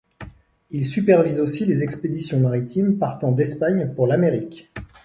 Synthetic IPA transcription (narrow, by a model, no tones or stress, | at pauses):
ilsypɛʁvizosilezɛksped̪isjɔ̃maʁit̪impaʁt̪ɑ̃d̪ɛspaɲpuʁlameʁikʲ